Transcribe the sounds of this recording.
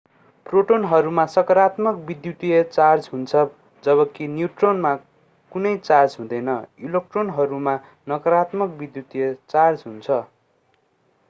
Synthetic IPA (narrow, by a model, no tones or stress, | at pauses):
proʈonɦʌɾumasʌkʌɾat̪mʌk̚bid̪jut̪ijʌt͡sard͡zɦunt͡sʰʌ | d͡zʌβʌkinjuʈronma | kunʌjt͡sard͡zɦũd̪ʌjnʌilok̚ʈronɦʌɾuma | nʌkʌɾat̪mʌk̚bid̪jut̪ijʌt͡sard͡zɦunt͡sʰʌ